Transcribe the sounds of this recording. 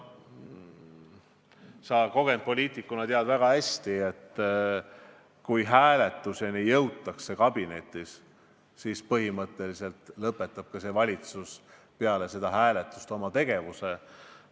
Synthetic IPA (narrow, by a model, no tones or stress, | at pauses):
sɑːko̞ɡ̥e̞nd̪̚po̞lʲiːt̪ˑikːˑunɑt̪eɑd̪væɡ̥ɑhæsʲt̪iet̪ːˑ | kujɦæːle̞t̪ːˑuse̞nijːɤwt̪ːˑɑksːe̞kɑb̥ine̞̰t̪ːˑis | sispɤhimɤt̪ˑːe̞lise̞lt̪lɤpːe̞t̪ˑːɑb̥̚kɑse̞vɑlʲit̪sus | peɑle̞se̞d̪̥ɑɦæːle̞t̪ːˑust̪o̞mɑt̪e̞ɡ̥e̞vuse̞